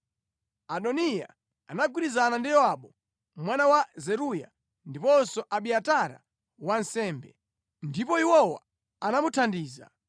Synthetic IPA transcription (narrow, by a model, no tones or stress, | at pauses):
aɗɔnija̰ | a̰naɡwiɾizanandijɔwaɓɔ | mwanawazɛɾuja̰ | ndipɔnsɔʔaɓiataɾa̰ | wansɛːmbɛ̰ | ndipɔiwɔwa̰ | anamutʰandiːza̰